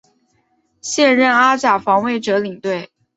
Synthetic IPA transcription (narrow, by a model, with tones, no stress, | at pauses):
ɕjɛ˥˧nɻə˥˩na˥t͡ɕja˨˩fɑ˧˥ŋwe˥˩ɪʈ͡ʂɤ˧˥li˨˩ŋt̪we˥˩ɪ